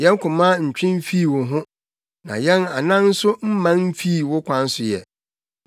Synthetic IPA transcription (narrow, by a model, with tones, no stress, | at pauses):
jɛ̃˦n˦kʰʊ̃˨mã˦ɲ̩˨t͡ɕᶣɪ̃˦m̩˦fi˦˨wʊ˨ɦʊ̃˦ | nã̰˨jɛ̃˦na˨nã˦n̩˦sʊ˦m̩˦mã˦nm̩˦fi˦˨wʊ˦kʰʷã˦n̩˦sʊ˨jɛ̰˨